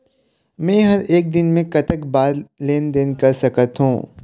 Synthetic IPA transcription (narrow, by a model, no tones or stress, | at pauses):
mɛ̃ːɦɐɾeːk̚d̪ɪnmẽkɐt̪əkbaːɾleːnd̪eːnkɐɾsɐkət̪ɦũː